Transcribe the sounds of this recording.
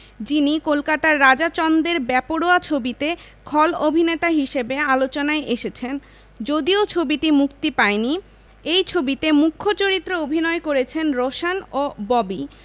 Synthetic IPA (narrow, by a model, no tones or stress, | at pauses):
d͡ʑinikolkat̪aɾːad͡ʑat͡ɕɔnd̪eɾbɛpoɽoat͡ɕʰobit̪e | kʰɔlobʱinet̪aɦiʃebealot͡ɕonaeʔeʃet͡ɕʰen | d͡ʑod̪iot͡ɕʰobiʈimukt̪ipaeni | ejt͡ɕʰobit̪emukʰːot͡ɕoɾit̪ːɾoobʱinɔekoɾet͡ɕʰenɾoʃanobɔbi